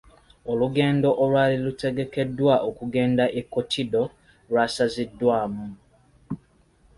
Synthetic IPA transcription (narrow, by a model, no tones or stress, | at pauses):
o̞luɡe̞ːndo̞ʔolwaːlilute̞ɡe̞ke̞dːwaʔokuɡe̞ːndaʔekːotʰido̞ | lwaːsazidːwaːmu